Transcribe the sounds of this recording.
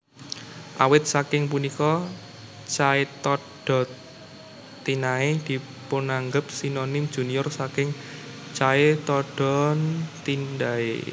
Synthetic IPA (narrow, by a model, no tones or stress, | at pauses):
ʔa̰wɪt̪̚sakɪŋp̬unikɔ | t͡ʃaɪt̪ɔɖ̥ɔ̤ | inaed̪̥i̤ | ponaŋɡəp̚sinonɪm̥ʒ̥ṳnijʊrsakɪŋt͡ʃaet̪ɔɖ̥ɔ̤nt̪indaḛ